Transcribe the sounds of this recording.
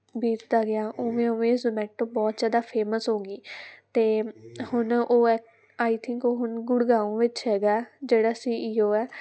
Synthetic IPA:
biːt͡ʃd̪aːɡɪaːʔʊːʋẽːʊʋẽːzəmɛːʈːõːbɔːt̪zjaːd̪aːpʰeːməsɦõːɡiːt̪eːhʊnoːɛ | aːit̪ʰɪ̃ŋkoːɦʊnɡʊɽɡaːõːʋɪt͡ʃɦɛːɡaːd͡ʒeːɽaːsiːiːoːɛː

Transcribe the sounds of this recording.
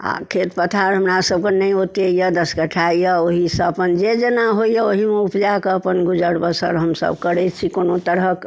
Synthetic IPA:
a̰kʰet̪pət̪ʰaɾɦəmɾasəb̚kenəjot̪eijəd̪əsɡəʈʰaijəoɦisəpənd͡ʒed͡ʒenaɦoijəoɦimeupʰd͡ʒakeəpənɡud͡ʒəɽbəsə̰ɾɦəmsə̰bkəɾɛt͡ʃʰikonot̪əɾək

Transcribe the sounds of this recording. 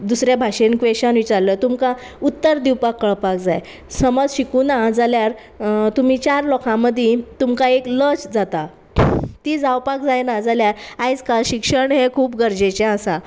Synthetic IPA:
d̪usɾjabʱaɕenkʋeɕãnʋit͡ɕaɾlət̪umka | ut̪ːəɾd̪iwpakːəɭpak̚d͡zaj | səmɔd͡zɕikunad͡zaljaɾ | t̪um̤it͡ɕaɾlɔkʰãməd̪ʱit̪umkaeklət͡sd͡zat̪a | t̪iːd͡zawpakd͡zajnad͡zaljaɾajt͡skaɕikʂəɳɦekʰuːpɡəɾd͡ʑet͡ɕɛ̃əsa

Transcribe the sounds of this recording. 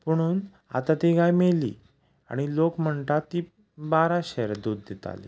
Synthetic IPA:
pəɽ̃uːn | a̰t̪at̪iɡajmelḭː | a̰ɽ̃ilokm̤əɳʈ̪at̪ːiː | baɾaɕeɾd̪uːd̪ːet̪a̰lḭ

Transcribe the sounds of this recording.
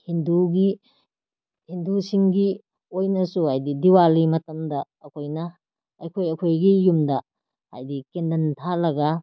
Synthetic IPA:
hinduɡi | hindusiŋɡi | ojnɐsuhajdidiwalimɐtɐmdɐːkʰojnɐː | kʰojɐkʰojɡijumdɐ | ha̰jdikendɐntʰalɐɡa

